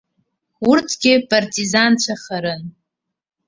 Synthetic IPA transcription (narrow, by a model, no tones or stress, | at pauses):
ʊrtʰɡʲɪpʼartʼizant͡ɕʷʰaχaɾɨn